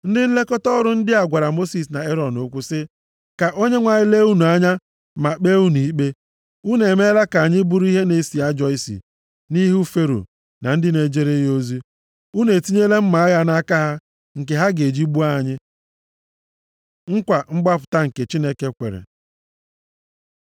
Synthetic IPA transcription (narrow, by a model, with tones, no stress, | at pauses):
n̩˦dɪ˦n̩˦le˦kɔ˦tɔ˦ɾʊ˦n̩˦dɪ˦a˨ɡʷa˨ɾa˨mo˦si˨s̬na˨e˦ɾɔ˨nʊ˦kʷʊ˦sɪ˦ | ka˨ʔo˦ɲe˦ŋʷa˨ɲɪ˦le˦u˦nu˨a˦ɲa˦ | ma˨k͡pe˦u˦n˨i˦k͡pe˦ | u˦ne˨me˦la˦ka˨ɲɪ˦bu˦ɾu˦i˦ɦe˦ne˨si˨a˦d͡ʒɔ˦ɪ˨sḭ˨ | ni˦ɦu˦fe˦ɾo̰˨ | na˨n̩˦dɪ˦ne˨d͡ʒe˦ɾe˦jo˦zi˦ | u˦ne˨ti˦ɲe˦le˦m̩˦ma˨a˦ɣa˦na˦ka˦ɦa˦ | ŋ̩˨ke˨ɦa˦ɡe˨d͡ʒi˦bu˦a˦˨ɲɪ˦ | ŋ̩˦kʷa˨ŋ͡m̩˦ɡ͡ba˦pʊ̥˨ta˦ŋ̩˨ke˨t͡ʃi˦ne˦ke˦kʷḛ˨ɾḛ˨